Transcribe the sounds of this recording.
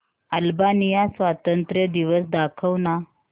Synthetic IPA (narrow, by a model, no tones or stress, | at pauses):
əlbanijasʋat̪ənt̪ɾəd̪iʋəsd̪akʰəʋna